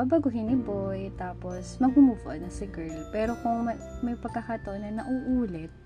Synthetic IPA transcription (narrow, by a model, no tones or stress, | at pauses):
ɐbɐɡʊɦɪnːɪbojt̪aːposmɐŋhʊmuːfoʔnɐsɐɡɛlpɛːɾo̞koŋmɐ | mɐjpɐɡ̚kɐkɐt̪onɐnɐʔuʔuːlɛt̪̚